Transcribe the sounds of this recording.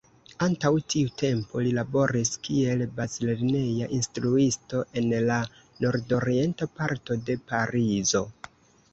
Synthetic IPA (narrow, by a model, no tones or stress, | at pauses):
antawtiute̞mpolilabo̞ɾiskie̞lbazileɾnejaʔinstɾuisto̞ʔe̞nla | no̞ɾdo̞ɾie̞ntapaɾto̞de̞paɾizo̞